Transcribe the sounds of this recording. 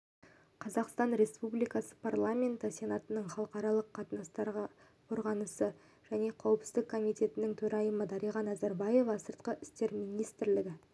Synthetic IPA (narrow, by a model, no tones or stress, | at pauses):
qʰɑzɑqst̪ɑnɾe̞spublijkɑsə̥pʰarlˠamʲe̞nt̪əsʲe̞nɑt̪ənəɴχɑlˠəqɑɾɑlˠəqʰːɑt̪ənɑst̪ɑɾʁɑ | qʰo̞ɾʁɑnəsə | ʒ̥æne̞qʰɑwəpsɪ̥zd̪ɪkʰːo̞mijt̪ʲe̞t̪ɪnɪŋt̪ʰɵɾɑjəməd̪ɑɾijʁɑnæzæɾbɑje̞vɑsəɾt̪̚qəʔɪst̪e̞ɾmijnijst̪ɪɾlɪɡʲɪ